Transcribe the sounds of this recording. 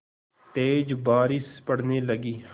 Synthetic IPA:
t̪eːd͡ʒbaːɾispəɽneːləɡiː

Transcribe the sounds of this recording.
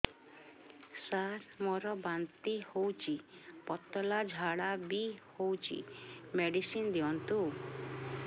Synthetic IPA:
saɾmɔɾɔbant̪ihowt͡ʃʰipɔt̪ɔlad͡ʒʱaɽabihowt͡ʃʰḭmeɖisind̪iɔnt̪u

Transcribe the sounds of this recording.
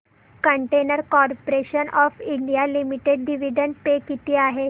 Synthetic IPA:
kəɳʈenəɾkɔɾpoɾeɕənɔfiɳɖijalimiʈeɖɖiʋiɖəɳʈ̚pekit̪iːaɦe

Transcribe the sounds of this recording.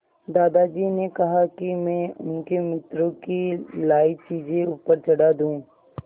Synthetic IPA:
d̪aːd̪ad͡ʒiːnekɐɦakimɛ̃ːʊ̰nkemɪt̪ɾõkilaːit͡ʃiːd͡ʒeuːpəɾt͡ʃɐɽad̪ũː

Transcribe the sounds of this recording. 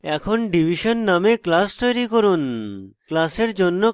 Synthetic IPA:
ɛkʰonɖibʱiʃonːameklast̪ojɾikoɾunklaseɾd͡ʑonːo

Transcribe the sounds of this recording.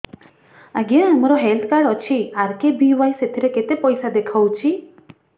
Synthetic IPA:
aɡãamɔɾɔɦelt̪ʰkaɽɔt͡ʃʰiaɾkebiʋajset̪ʰiɾeket̪epɔjsad̪ekʰawt͡ʃʰi

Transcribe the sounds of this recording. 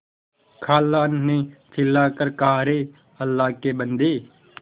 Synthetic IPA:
kʰaːlaːnnẽːt̪ʰɪlːaːkəɾkaːɾeː | əlːaːkeːbənd̪eː

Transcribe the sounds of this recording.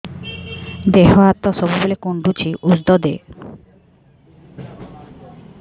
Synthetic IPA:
d̪eɦɔat̪ːɔsɔbubolekuɳɖut͡ʃʰiʔusd̪ɔd̪e

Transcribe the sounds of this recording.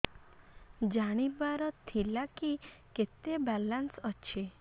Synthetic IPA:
d͡ʒaɽ̃ibaɾɔt̪ʰilakiket̪ebalansɔt͡ʃʰe

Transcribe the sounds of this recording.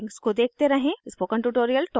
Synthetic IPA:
ŋskod̪eːk̚ʰt̪eɾɐɦẽɪspokɐ̃ɳʈuːʈoːɾijəlʈɔː

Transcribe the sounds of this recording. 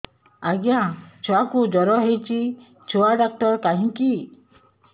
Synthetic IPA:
aɡjãt͡ʃʰɔakud͡ʒɔɾɔɦejt͡ʃʰi | t͡ʃʰoaɖak̚ʈɔɾkaɦĩki

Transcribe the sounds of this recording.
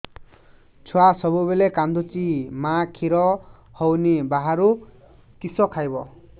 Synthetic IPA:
t͡sʰuasʌbubelekand̪ut͡simãkʰiɾɔ | hʌwnebaɦaɾu | kisɔkʰajbɔ

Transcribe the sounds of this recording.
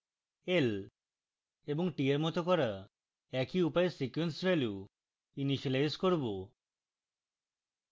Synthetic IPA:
el | ebɔŋʈieɾmɔt̪okɔɾa | ɛkiupajesikwensbelju | iniʃilajskoɾbo

